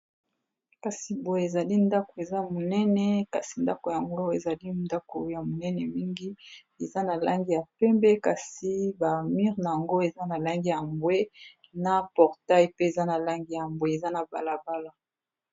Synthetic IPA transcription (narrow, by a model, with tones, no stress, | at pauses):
ka˨si˨bo˨je˨za˨li˦nda˦ko˨e˨za˦mo˨nɛ˦nɛ˦ka˨si˨nda˦ko˨ja˨ŋɡo˦e˨za˨li˦nda˦ko˨ja˨mo˨nɛ˦nɛ˨mi˦ŋɡi˦ | e˨za˦na˨la˦ŋɡi˦ja˨pɛ˦mbɛ˦ka˨si˨ba˨mi˦ʁna˨ja˨ŋɡo˦e˨za˦na˨la˦ŋɡi˦ja˨mbwe˦ | na˦pɔ˨ʁta˦jpe˦e˨za˦na˨la˦ŋɡi˦ja˨mbwe˦e˨za˦na˨ba˨la˨ba˦la˦